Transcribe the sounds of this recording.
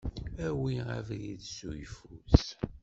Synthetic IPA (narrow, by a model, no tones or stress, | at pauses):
æwiʁæ̰vliðsujfus